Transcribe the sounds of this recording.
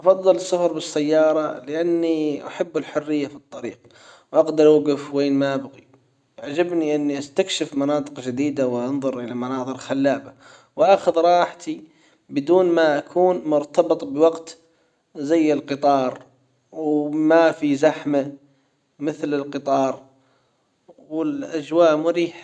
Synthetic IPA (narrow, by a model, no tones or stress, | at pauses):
ʔɑfɑðˤːɨlsːʊhɑɾˤbɪsːajːɑːɾˤɑlɪʔanːiʔa̰ħabːɪlħʊrːɪjːafit̪ˤːɑɾiːq | wʔaɡd̪ɑɾˤwaɡɪfweːnmabaɣi | ʕad͡ʒabniʔɪnːiʔast̪akʃɪfmɑnɑːt̪ˤɨqd͡ʒɪd̪iːd̪awʔɑnðˤʊɾʔɪlamanɑːðˤɨɾxalːaːba | wʔaxʊðɾˤɑːħt̪i | bɪd̪uːnmaʔakʰuːnmʊɾt̪ɑbɨt̪ˤbɪwaɡt̪ | zajːɪlqɨt̪ˤɑːɾˤ | wmafizaħma | mɪθlɪlqɨt̪ˤɑːɾˤ | wɪlʔad͡ʒwaːʔmʊɾiːħa